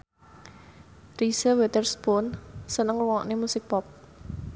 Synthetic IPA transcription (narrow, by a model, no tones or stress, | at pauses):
risəwet̪ərsponsənəŋwuŋɔʔnemusɪk̚pɔp̚